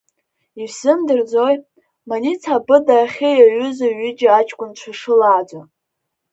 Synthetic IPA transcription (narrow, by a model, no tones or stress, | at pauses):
isɨmdɨrd͡zoj | manit͡sʰabɨdaχʲejaɥʏzaɥʏd͡ʒaat͡ʃʼkʷʼʊnt͡ɕʷʰaʂɨlaːd͡zʷa